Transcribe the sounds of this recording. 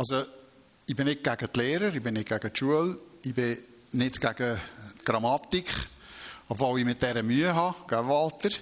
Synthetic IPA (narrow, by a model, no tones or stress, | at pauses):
ɑlso | ibɪnɪk̚ɡ̥æɡət̪lɛːɾəɾibɪnɪk̚ɡ̥æɡ̥ət̪ʃuəlɪbɪ | nɪtɡ̥æɡ̥ət̪ɡ̥ɾɑmɑt̪ikχ | ɔbvɔwimɪt̚dɛɾəmyəɦɑɡ̥avɑlt̪əɾ